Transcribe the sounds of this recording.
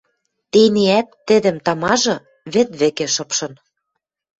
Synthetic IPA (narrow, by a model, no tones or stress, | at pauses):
t̪eneæt̪ːɘ̆d̪ɘ̆mt̪ɑmɑʒɤ̆ | βĕt̪βĕkĕʃɤ̆pʃɤ̆n